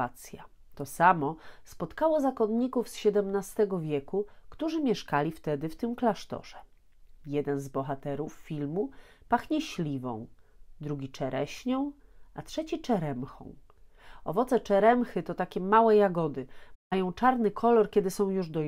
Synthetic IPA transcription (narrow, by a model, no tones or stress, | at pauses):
at̪sʲja̰ | t̪ɔsamɔspɔt̪kawɔzakɔnɲikufsɕɛd̪ɛmnast̪ɛɡɔvʲjɛkukt̪uʐɘmʲjɛʂkalʲift̪ɛd̪ɘft̪ɘmklaʂt̪ɔ̰ʐ̥ɛ | jɛd̪ɛnzbɔxat̪ɛɾufːʲilmupaxɲɛɕlʲivɔ̰̃w̃d̪ɾuɡʲit͡ʂɛɾɛɕɲɔ̃w̃atʂɛt͡ɕit͡ʂɛɾɛmxɔ̰̃w̃ | ɔ̰vɔt̪sɛt͡ʂɛɾɛmxɘt̪ɔt̪akʲɛmawɛjaɡɔd̪ɘmajɔ̃w̃t͡ʂaɾnɘkʰɔlɔɾkʲɛd̪ɘsɔ̃w̃juʐd̪ɔ